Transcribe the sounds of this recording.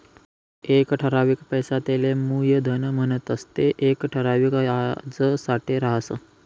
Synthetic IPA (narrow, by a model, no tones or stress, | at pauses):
ekʈʰəɾaʋiːkpəjsat̪elemujəd̪ʱənəm̤ənət̪əst̪eʔekʈʰəɾaʋikad͡zəsaʈeɾaɦsə̰